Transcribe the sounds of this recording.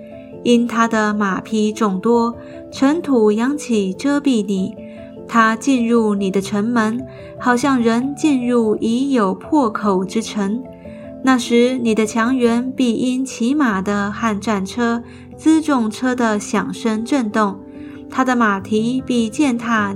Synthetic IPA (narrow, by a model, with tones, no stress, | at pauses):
i˥nt̪ʰa˥d̪ə˨ma˨˩pʰi˧˥ʈ͡ʂʊ˨˩ŋt̪wɔ˥ | ʈ͡ʂʰə˧˥nt̪ʰu˨˩jɑ˧˥ŋt͡ɕʰi˨˩ʈ͡ʂɤ˥pi˥˩ni˨˩˦ | t̪ʰa˥t͡ɕi˥˧nɻu˥˩ni˨˩d̪ə˦ʈ͡ʂʰə˧˥nmə˧˥n | xɑ˨˩ʊɕ̬jɑ˥˩ŋɻə˧˥nt͡ɕi˥˧nɻu˥˩i˧˥jo˨˩ʊpʰwɔ˥˩kʰo˨˩ʊʈ͡ʂɻ̩˥ʈ͡ʂʰə˧˥ŋ | na˥˩ʂɻ̩˧˥ni˨˩d̪ə˦t͡ɕʰjɑ˧˥ŋɥɛ˧˥npi˥˩ʔi˥nt͡ɕʰi˧˥ma˨˩d̪ə˦xa˥˧nʈ͡ʂa˥˩nʈ͡ʂʰɤ˥ | t͡sɹ̩˥ʈ͡ʂʊ˥˩ŋʈ͡ʂʰɤ˥d̪ə˨ɕjɑ˨˩ŋʂə˥ŋʈ͡ʂə˥˧nt̪ʊ˥˩ŋ | t̪ʰa˥d̪ə˨ma˨˩t̪ʰi˧˥pi˥˧t͡ɕjɛ˥˩nt̪ʰa˥˧